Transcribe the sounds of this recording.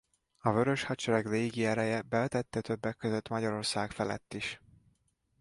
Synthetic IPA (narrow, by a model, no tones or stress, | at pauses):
ɒvø̞ɾøʃhɒt͡ʃɛɾɛɡleːɡiɛɾɛjɛbɛt̪ɛt̪ːɛt̪ʰø̞bːɛkːøzøt̪mɒɟɒɾo̞rsaːkfɛlɛ̰t̪ːiʃ